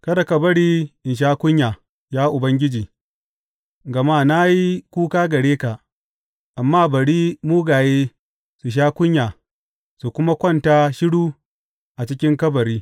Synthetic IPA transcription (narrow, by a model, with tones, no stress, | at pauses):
kɐ˦da˨kɐ˨bɐ˦ɽiː˦ʔɪ˨nʃ̬aː˦kʷʊ˦ɲjaː˨ | jaː˦ʔʊ˨bɐ˦ŋɡʲɪ˦d͡ʒiː˨ | ɡɐ˨maː˦na˦ji˦kʷuː˦kaː˦ɡɐ˨ɽeː˦ka˨ | ʔa˨mːaː˦bɐ˨ɽiː˦muː˦ɡaː˨jeː˦ | su˨ʃ̬aː˦kʷʊ˦ɲjaː˨ | su˨kʷʊ˦ma˦kʷɐ˦˨ntaː˦ʃɪ˦ɽuː˦ | ʔa˨t͡ʃɪ˦kʲɪ˦ŋkɐ˦bɐ˨ɾiː˦